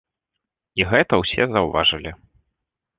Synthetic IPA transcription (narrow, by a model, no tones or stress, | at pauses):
iɣɛt̪ɐwsʲɛzɐwva̰ʐɨlʲi